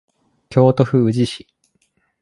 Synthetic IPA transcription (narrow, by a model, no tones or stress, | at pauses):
kʲo̞ːt̪o̞ɸɯ̟ɯ̟ʑiɕi̥